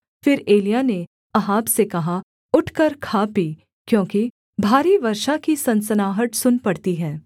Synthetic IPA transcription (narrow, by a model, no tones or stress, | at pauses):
fɪɾeːlijane | ɐɦaːbsekɐɦa | ʊʈʰkəɾkʰaːpi | kjõːki | bʱaːɾiʋɐɾʃakisɐ̃nsənaːɦəʈsʊnpɐɽt̪iɦɛː